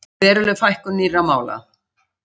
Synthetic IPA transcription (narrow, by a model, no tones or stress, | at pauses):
vɛːɾʏlʏfajhkʏniːramaːwla̰